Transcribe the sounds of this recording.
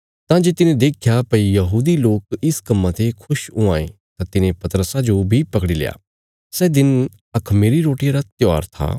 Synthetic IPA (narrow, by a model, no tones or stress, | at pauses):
t̪ãːd͡ʒeːt̪ɪnẽd̪eːkʰjapɐijɐɦuːd̪iloːkɪskɐmːãt̪ekʰʊʃʊ̃ãːḛ̃ | t̪ãt̪ɪnẽpɐt̪ɾəsad͡ʒobʱipɐkɽilḛa̰ː | sɛːd̪ɪn | ɐkʰmeːɾiɾoːʈijãɾat̪jɔːɾt̪ʰa̰ː